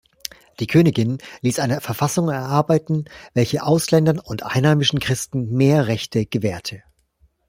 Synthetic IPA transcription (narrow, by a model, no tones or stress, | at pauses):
d̥iːkʰøːnɪɡɪnliːsʔaɪnɐfɛɐfasʊŋɛɐʔaɐbaɪtn̩vɛlçəʔaʊslɛndɐnʊntʔa̰ɪnhaɪmɪʃn̩kʁ̥ɪstn̩meːɐʁɛçtʰəɡ̥əvɛːɐtʰə